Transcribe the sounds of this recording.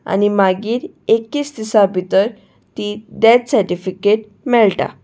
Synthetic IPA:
a̰nimaɡiːɾ | ekːiːsd̪isabit̪əɾ | t̪id̪ɛtsəɾʈifikeʈ̚ | mɛɭʈa̰

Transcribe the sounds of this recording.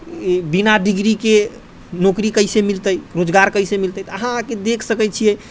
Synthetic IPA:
binaɖiɡɾike | nokɾikəɪsemilt̪əjɾod͡ʒɡaɾkəɪsemilt̪əjt̪ɔəɦãked̪ekʰsəkɛt͡ʃʰijɛ

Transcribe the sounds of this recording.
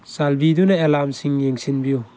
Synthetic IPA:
salbidunaelamsiŋjeŋsinbiju

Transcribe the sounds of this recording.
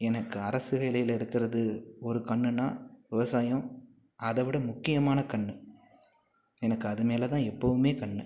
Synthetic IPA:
ɛnɐkːɯɐɾɐsɯʋeːlɐjɪlɪɾɯkːɪɾɐðɯɔɾɯkɐɳːɯna̰ːʋɪʋɐsaːjɐ̃ | ɐðɛʋɪɽɐmʊkːɪjɐmaːnɐkɐɳːɯ | ɛnɐkːɯɐðɯmeːlɐt̪ãːɛpːɐʋɯmeːkɐɳːɯ

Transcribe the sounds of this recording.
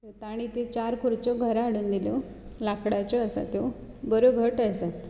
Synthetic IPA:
et̪aɽ̃it̪et͡ɕaɾkuɾt͡ɕɔɡʱəɾaɽuːnd̪ilɔ | lakʰɽat͡ɕɔəsa̰t̪jobəɾoɡʱəʈəjsat̪

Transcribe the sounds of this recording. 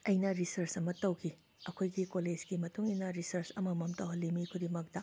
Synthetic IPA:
ɐjnɐɾisɐɾsɐmɐtɐwkʰi | ɐkʰojɡikoled͡ʒɡimɐtuŋinɐɾisɐɾsɐmɐmɐmtɐwɦɐlimikʰudimɐk̚dɐ

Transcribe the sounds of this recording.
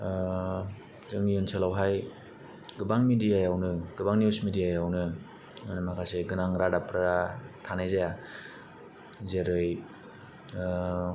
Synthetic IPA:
zɯŋijunselawɦaj | ɡɯbaŋmidijajawnɯɡɯbaŋnusmidijajawnɯ | anɯmakʰajseɡɯnaŋɾadapɾaɾatʰanajzaja | zeɾɯj

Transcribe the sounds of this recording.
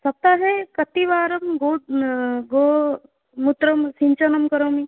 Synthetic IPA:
sɐp̚t̪aɦekɐt̪iʋaːɾɐmɡoː | ɡoː | mut̪ɾɐmsiɲt͡ʃɐnɐmkɐɾoːmi

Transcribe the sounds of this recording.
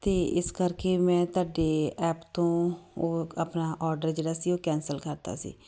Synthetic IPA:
t̪eːɪskəɾkeːmɛ̃ːt̪oaːɖeːɛːpt̪õːoːəpnaːʔɔːɾɖəɾd͡ʒeːɽaːsiːoːkɛːnsəlkəɾt̪a̰ːsḭː

